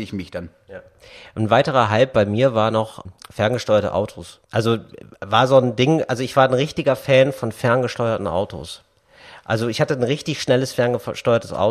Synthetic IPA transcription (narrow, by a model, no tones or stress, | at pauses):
ɪçmɪçd̥an | ja | ʔn̩vaɪtəʁɐɦalp̚b̥aɪmiːɐvaːɐnɔχfɛɐnɡəʃtɔʏɐtə̰ʔa̰ʊtʰoːsʔalzovaːɐzoːndɪŋʔa̰lzoɪçv̥aːɐnʁɪçtɪɡɐfɛːnfɔnfɛɐnɡəʃtɔʏɐtn̩ʔa̰ʊtʰo̰s | ʔa̰lzoɪçhatənʁɪçtɪçʃnɛləsfɛɐnɡəʃtɔʏɐtʰə̥sʔa̰ʊ